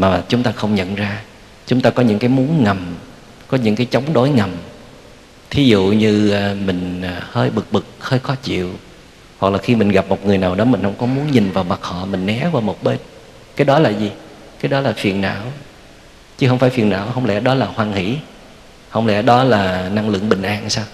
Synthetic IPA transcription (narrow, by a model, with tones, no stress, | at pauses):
maː˨˩˨t͡ɕʊ˨˦ŋ͡mt̪aː˧xə˧wŋ͡mɲə̰˧˨nzaː˧ | t͡ɕʊ˨˦ŋ͡mt̪aː˧kɔ˨˦ɲɨ̰˧˥ŋkaː˨˦jmu˨˦ənŋə˨˩m | kɔ˨˦ɲɨ̰˧˥ŋkaː˨˦jt͡ɕə˨˦wŋ͡mɗo˨˦jŋə˨˩m | t̪ʰi˨˦zṵ˧˨ɲɨː˧˨˩mï˨˩ŋ̟ː˨˩həː˧jɓɨ˨˩k̚ɓɨ˨˩k̚həː˧jxɔ˨˦t͡ɕḭ˧˨əw | hwa˨˩k̚laː˨˩xi˧mï˨˩ŋ̟ɣa˨˩p̚mo˨˩t̚ŋɨ˨˩əjnaː˨˩wɗɔ˨˦mï˨˩ŋ̟hə˧wŋ͡mkɔ˨˦mu˨˦ənɲï˨˩nvaː˨˩wma˨˩t̚hɔ̰˧˨mï˨˩ŋ̟nɛ˨˦vaː˨˩wmo˨˩t̚ɓe˧n | kaː˨˦jɗɔ˨˦laː˨˩zi˨˩ | kaː˨˦jɗɔ˨˦laː˨˩fi˨˩ənːa̰ː˧˥˨w | t͡ɕɨ˧˦hə˧wŋ͡mfaː˧˩jfi˨˩ənʔa̰ː˧˥˩whə˧wŋ͡mlɛ̰˧˥ɗɔ˨˦laː˨˩hwaː˧ŋhḭ˧˩˥ | hə˧wŋ͡mlɛ̰˧˥ɗɔ˨˦laː˨˩na˧ŋlɨ̰˧˨əŋɓï˨˩ŋ̟ʔaː˧nsaː˧w